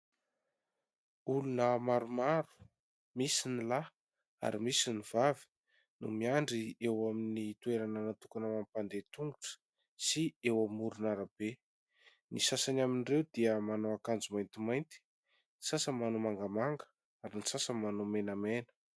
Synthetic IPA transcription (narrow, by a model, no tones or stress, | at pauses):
ulunəmaɾumaɾu̥ | misinila | a̰ɾimisiniv̥avi̥ | nṵmiaɳɖ͡ʐiewaminit̪ueɾanənat̪ukanamampand̪et̪uŋɡuʈ͡ʂə̥ | siewamuɾunaɾab̥e | nisasanaminirewd̪̥iəmanoakand͡zumajnt̪imajnt̪i̥ | ni̥sasəmanomaŋɡamaŋɡə̥ | aɾinisasəmanomenamenə̥